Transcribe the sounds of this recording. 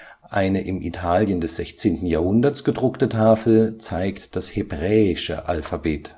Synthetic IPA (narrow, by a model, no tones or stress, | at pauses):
ʔaɪnəʔɪmʔitʰaːljəndɛsz̥ɛçt͡seːntn̩jaːɐhʊndɐtsɡ̥ədʁʊktətʰaːfl̩t͡saɪktd̥ashebʁɛːɪʃə̰ʔa̰lfabeːt